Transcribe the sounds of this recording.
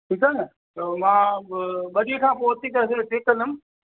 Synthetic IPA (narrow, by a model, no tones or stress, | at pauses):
ʈʰiːkaːnə | mãːɓɐɗiekʰãːpoːt̪ikɐɾes̬eʈeːkːɐ̃nəm